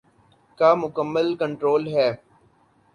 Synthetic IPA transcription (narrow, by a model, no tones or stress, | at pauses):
kaːmʊkəmːəlkə̃ɳʈɾoːlɦɛː